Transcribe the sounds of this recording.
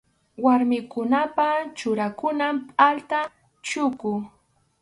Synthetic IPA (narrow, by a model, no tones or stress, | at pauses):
waɾmɪkʊnapat͡ʃʊɾakʊnampʼalt̪a | t͡ʃʊkʊ